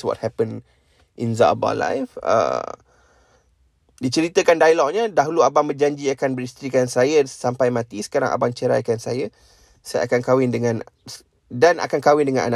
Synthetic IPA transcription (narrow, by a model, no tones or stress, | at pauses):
swɔ̰t̚hɛpən | ʔḭnza̰ba̰la̰jfə̰ | dit͡ʃəɾit̪əkandailɔʔ̚ɲədaɦuluabaŋbəd͡ʒaɲd͡ʒiakanbəɾist̪ɾikansajəsampajmãt̪isə̥kaɾa̰ŋʔa̰baŋt͡ʃəɾa̰jkansa̰ja | saja̰kankawɪndəŋãn | danʔa̰kankawɪndəŋãnʔa̰na